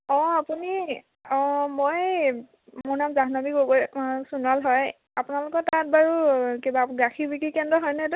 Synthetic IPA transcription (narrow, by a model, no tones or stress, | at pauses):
ɔ̃apuni | ɔ̃moj | moɹnamzaɦnamikoɡojsunalɦɔj | apunalʊkɔtat̚baɹukibaɡaxʰibikikɛndɔɦɔjnɛtʊ